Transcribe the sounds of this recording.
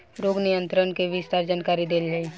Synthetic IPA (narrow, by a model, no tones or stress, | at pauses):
ɾoːɡnijə̃nt̪ɾənkeʋɪst̪aːɾd͡ʒaːnkaːɾid̪eːld͡ʒaːe